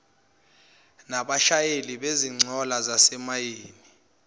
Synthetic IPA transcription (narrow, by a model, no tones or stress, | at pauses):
naɓaʃajeliɓeziŋ͡ǀʱɔlazasɛmajeːni